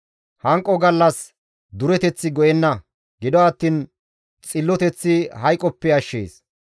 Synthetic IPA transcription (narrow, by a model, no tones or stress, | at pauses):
hɐŋkʼːɔɡɐlːɐs | d̪ʊɾɛt̪ɛt͡sːɪɡɔjɛnːɐ | ɡɪd̪ɔɐt̪ːiːn | t͡sʼɪlːɔt̪ɛt͡sːɪhɐjkʼɔpːɛɐʃːḛːs